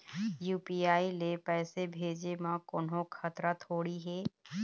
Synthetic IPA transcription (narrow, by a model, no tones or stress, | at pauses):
juːpiːaːilepɛːsebʱeːd͡ʒemãkonɦõkʰɐt̪ɾat̪ʰoːɽiɦɛː